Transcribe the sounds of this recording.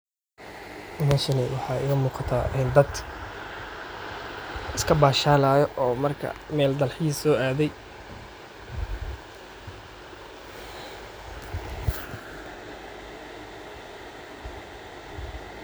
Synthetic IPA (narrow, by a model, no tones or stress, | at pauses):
maːʃɐnɪwɑħɑːɪ̰ɣɐmuːqɑt̪ʰaːʔɪnd̪ɐd̪ | ɪskʰɐbaːʃaːlaːjɔʔɔːmɐrkʰɐ̰mɛːld̪ɐlħiːsɔːaːðɛj